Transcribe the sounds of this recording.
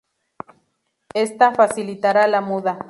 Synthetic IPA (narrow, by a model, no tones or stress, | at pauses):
est̪afasilit̪aɾalamuða